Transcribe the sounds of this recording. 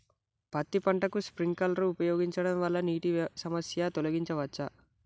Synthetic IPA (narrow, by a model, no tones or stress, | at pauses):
pɐt̪ːipɐɳʈɐkuspɾiŋɡkɐlɾuːpɐjoːɡiɲt͡ʃɐɽɐmʋɐlːɐniːʈisɐmɐsjɐt̪olɐɡiɲt͡ʃɐʋɐt͡ʃːɐ